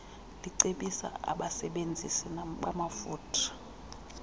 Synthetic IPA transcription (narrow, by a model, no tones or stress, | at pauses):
liǀeɓisa̰a̰ɓasɛɓend͡zʱisiɓamafuːtʰḁ